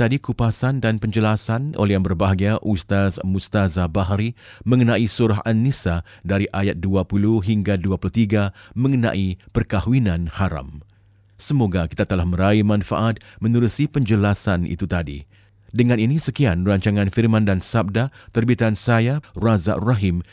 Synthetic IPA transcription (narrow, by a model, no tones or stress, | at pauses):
t̪adikupasandanpəɲd͡ʒəlasano̰lɛbərbaɦaɡiaʔust̪asmust̪azabaɦɾimə̃ŋənãisuɾaɦanːisa | daɾiʔajat̪̚duapuluhɦiŋɡaduapuluht̪iɡamə̃ŋənã̰ʔipərkahwinãnhaɾa̰m | səmoɡaki̥t̪at̪əlahməɾaimãnfa̰ʔat̪̚mə̃nuɾusipəɲd͡ʒəlasanʔḭt̪ut̪adḭ | dəŋãninisəkianraɲt͡ʃaŋãnfirmãndansab̚dat̪ərbit̪ansajaraza̰ʔraɦim